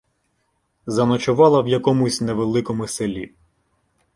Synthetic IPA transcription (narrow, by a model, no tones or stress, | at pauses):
zɐnɔt͡ʃʊʋɑlˠɐwjɐkɔmʊsʲneʋelˠɪkɔmʊselʲi